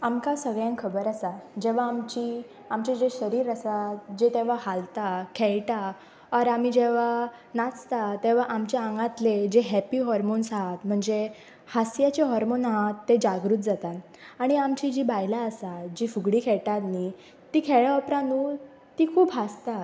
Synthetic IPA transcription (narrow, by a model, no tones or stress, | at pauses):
amkasəɡɭjãŋkʰəbəɾasad͡ʑeʋ̤aːmt͡ɕi | amt͡ɕad͡ʑeɕəɾiːɾasad͡ʑet̪eʋ̤ahalt̪akʰɛɭʈa | ɔɾam̤id͡ʑeʋ̤a | nat͡st̪at̪eʋ̤aʔamt͡ɕeaŋɡãt̪led͡ʑeɦɛpiːɦɔɾmonsat̪m̤əɳd͡ze | hasjat͡ɕeɦɔɾmonɦãt̪ːed͡ʑaɡɾuːt̪̚d͡zat̪at̪ | aɽ̃iamt͡ɕid͡ʑibajlaəsad͡ʑifuɡɽiːkʰɛɭʈat̪ni | t̪iːkʰɛɭɔpɾanuː | t̪ikʰuːpɦast̪a